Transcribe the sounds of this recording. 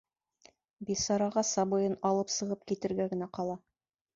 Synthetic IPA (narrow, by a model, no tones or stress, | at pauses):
bisɑɾɑʁɑsɑbɤ̆jɤnɑlˠɤpsɤ̆ʁɤp̚kit̪ɘ̆ɾɡæɡɘ̆næqɑlˠɑ